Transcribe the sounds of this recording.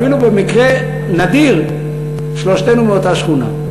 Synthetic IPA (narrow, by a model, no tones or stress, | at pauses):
ilube̞mikʁe | nad̪iʁ | ʃlo̞ʃt̪enumeot̪aʃχuna̰